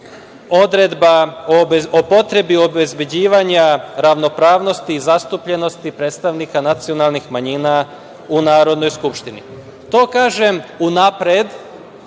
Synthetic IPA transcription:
o̞d̪ɾed̪baoo̞po̞t̪ɾe̞bio̞be̞zbe̞d͡ʑiːʋaɲaɾaʋno̞pɾaːʋno̞st̪iːzast̪upʎe̞no̞st̪ipɾeːt̪st̪aʋnikanat̪sio̞nalˠnixmaɲina | unaːɾo̞d̪no̞jskupʃt̪inḭ | t̪o̞ːkaːʒe̞munapɾed̪

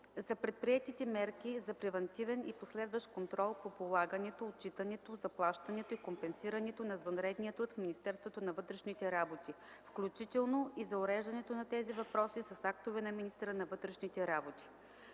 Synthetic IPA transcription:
zɐpɾɛt̪̚pɾiɛt̪it̪ɛmɛɾkizɐpɾɛvɐnt̪ivɛniposlɛd̪vɐʃkont̪ɾɔlˠpopolˠaɡənɛt̪oːt̪̚t͡ʃit̪ɐnɛt̪ozɐplˠaʃt̪ɐnɛt̪oikompɛnsiɾɐnɛt̪onɐzvɐnɾɛd̪nijət̪ɾut̪fminist̪ɛɾst̪vot̪onɐvɤt̪ɾɛʃnit̪ɛɾabot̪i | fklʲut͡ʃit̪ɛlˠnoizɐʊɾɛʒɐnɛt̪onɐt̪ɛzivɐpɾɔsisɐsakt̪ovɛnɐminist̪ɛɾənɐvɤt̪ɾɛʃnit̪ɛɾabot̪i̥

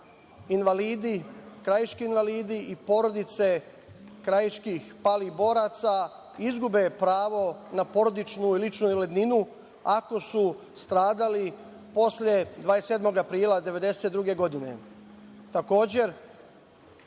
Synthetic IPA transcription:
inʋaliːd̪ikɾajit͡ʃkiːnʋaliːd̪iipo̞ɾo̞d̪it̪se̞ | kɾajit͡ʃkixpalibo̞ːɾat̪sa | izɡube̞pɾaːʋo̞napo̞ɾo̞d̪it͡ʃnuilit͡ʃnuled̪ninu | ako̞su | st̪ɾaːd̪ali | po̞slje̞d̪ʋaːese̞d̪mo̞ɡapɾiːlˠad̪e̞ʋe̞d̪e̞set̪̚d̪ɾuɡe̞ɡo̞d̪ine̞̰ | t̪ako̞ːd͡ʑe̞ɾ

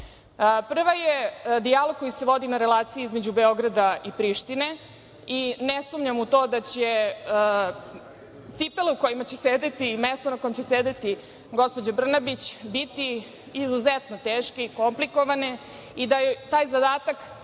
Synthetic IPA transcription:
pr̩ʋajed̪ialoɡ̚ko̞jiseʋo̞d̪inaɾelˠaːt̪siiizmed͡ʑube̞o̞ɡɾad̪aipɾiʃt̪ine̞ | inesumɲamut̪o̞ːd̪at͡ɕe | t̪sipeluko̞jimat͡ɕe̞seːd̪et̪imest̪onako̞jemt͡ɕesed̪et̪i | ɡo̞spo̞d͡ʑabr̩nabit͡ɕbit̪iː | zuzet̪not̪eːʃkeiko̞mpliko̞ʋane | id̪ajet̪aːjzad̪aːt̪ak

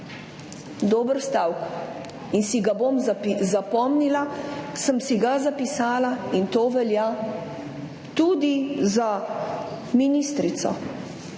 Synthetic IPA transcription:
d̪oːbəɾst̪aːwk | insiɡabomzapizapɔmnilasəmsiɡazapisaːlaint̪oːʋɛlja | t̪ud̪iza | minist̪ɾit̪sɔ̰

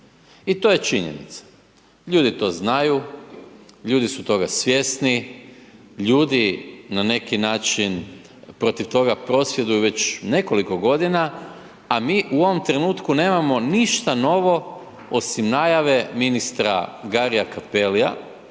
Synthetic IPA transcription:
it̪o̞ːje̞t͡ʃiɲḛnḭt̪sḁ | ʎuːd̪it̪o̞ːznaju | ʎuːd̪isut̪o̞ɡasʋje̞sni | ʎuːd̪inane̞kinaːt͡ʃin | pɾo̞t̪iʋt̪o̞ɡapɾo̞sʋje̞d̪ujuʋe̞t͡ɕne̞ko̞liko̞ɡo̞d̪ina | amiːʔuo̞ʋo̞mt̪ɾe̞nuːt̪kune̞ːmamo̞niʃt̪ano̞ʋo̞ | o̞simnajaʋe̞minist̪ɾa̰ɡaɾijakapelia̰

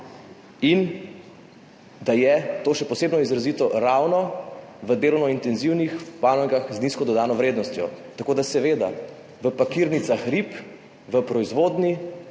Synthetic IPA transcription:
in | d̪ajɛt̪oːʃɛpɔseːbnɔizɾazit̪ɔɾawnɔʋəd̪eːlɔwnɔint̪ɛnziwnixbanɔŋɡaxzniskɔd̪ɔd̪aːnɔʋɾeːd̪nɔst̪jɔt̪akoːd̪asɛʋeːd̪a̰ | ʋəpakiɾnit̪saxɾip | ʋəpɾɔizʋod̪ni

